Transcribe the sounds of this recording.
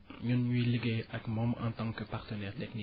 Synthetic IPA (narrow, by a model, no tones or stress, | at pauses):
ɲunɲiliɡeʔakmɔmɑ̰̃nt̪ɑ̃ŋkəpaʁt̪ənɛːʁt̪ɛkni